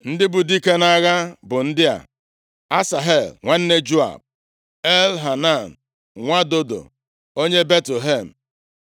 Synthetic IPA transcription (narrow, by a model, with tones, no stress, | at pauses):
n̩˦dɪ˦bʊ˨di˦ke˦na˦ɣa˦bʊ˨n̩˦dɪ˦a̰˨ | a˦sa˨ɦe˨lŋʷa˦n̩˦ne˦d͡ʒu˦a̰˨b̚ | e˦lɦa˨na˦˨n̩˨ | ŋʷa˦do˦do̰˨ | o˦ɲe˦be˦tle˨ɦe˦˨m̩˨